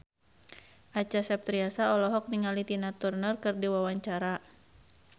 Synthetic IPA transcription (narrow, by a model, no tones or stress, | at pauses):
ʔat͡ʃasɛp̚t̪ɾiasaɔlɔɦɔk̚niŋalit̪inat̪urnərkɨrdiwawaɲt͡ʃaɾa